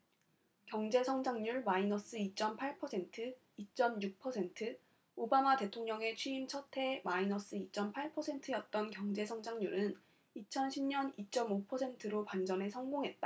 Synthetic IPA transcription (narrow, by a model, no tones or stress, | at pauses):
kjʌŋd͡ʑe̞sʰʌŋd͡ʑaŋɲuɭmainʌs͈ɯit͡ɕ͈ʌmpʰaɭpʰʌsʰe̞ntʰɯ | it͡ɕ͈ʌmjuk̚pʰʌsʰe̞ntʰɯ | obamate̞tʰoŋɲʌŋe̞t͡ɕʰɥiimt͡ɕʰʌtʰe̞mainʌs͈ɯit͡ɕ͈ʌmpʰaɭpʰʌsʰe̞ntʰɯjʌt̚t͈ʌnkjʌŋd͡ʑe̞sʰʌŋd͡ʑaŋɲuɾɯn | it͡ɕʰʌnɕʰimɲʌnit͡ɕ͈ʌmopʰʌsʰe̞ntʰɯɾopwand͡ʑʌnɦe̞sʰʌŋɡoŋɦe̞t̚t͈a